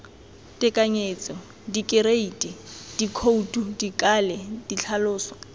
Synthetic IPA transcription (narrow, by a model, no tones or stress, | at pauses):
tʼɪkʼaɲeːt͡sʼɔ | dikʼɪɾeitʼid̥ikʰoutʼudikʼalɛd̥it͡ɬʰalʊːsɔ̥